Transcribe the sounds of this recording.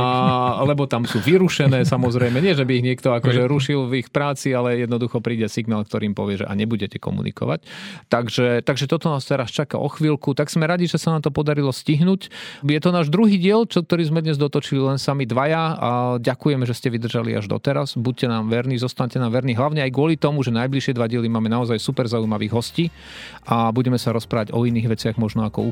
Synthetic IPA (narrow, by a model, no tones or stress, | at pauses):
alɛbɔt̪amsuːʋiɾuʃɛnɛːsamɔzɾɛjmɛɲɪɛʒɛbiːɣɲɪɛkt̪ɔakɔʒɛɾuʃilvixpɾaːt͡sialɛjɛd̪nɔd̪uxɔpɾiːɟɛsiɡnaːlkt̪ɔɾʔiːmpɔʋɪɛʒɛ̰ʔa̰ɲɛbuɟɛcɛkɔ̰mṵnḭkɔ̰ʋa̰c̚t̪aɡʒɛt̪aɡʒɛt̪ɔt̪ɔnaːst̪ɛɾast͡ʃaka̰ʔɔ̰xʋiːlkut̪aɡz̥mɛɾaɟiʒɛsanaːmt̪ɔpɔd̪aɾilɔsciɦnucjɛt̪ɔnaːʒd̪ɾuɦiːɟɪɛlt͡ʃk̚t̪ɔɾiːzmɛd̪ɲɛzd̪ɔt̪ɔt͡ʃililɛnsamid̪ʋajaaɟakujɛmɛʒɛscɛʋid̪r̩ʒalḭʔa̰ʒd̪ɔ̰t̪ɛɾazbuc̚cːɛnaːmʋɛɾniːzɔst̪aɲcɛnaːmʋɛɾniɦlaʊɲɛajɡʊɔlit̪ɔmuʒɛnajbliʃɪɛd̪ʋaɟɪɛlimaːmɛnaɔzajsupɛɾzaujmaʋiːɣɦɔsciː | ʔabuɟɛmɛsaɾɔspɾaːʋaɟɔiniːɣʋɛt͡sɪaɣmɔʒnɔakɔ̰u